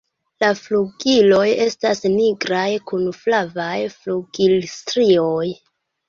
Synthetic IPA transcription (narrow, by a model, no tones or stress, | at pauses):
lafluɡilo̞je̞stasniɡɾajkunflavajfluɡilstɾioj